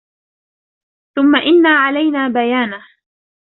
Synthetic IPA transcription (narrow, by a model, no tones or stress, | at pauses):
θʊmːaʔɪnːaːʕalajnaːbajaːna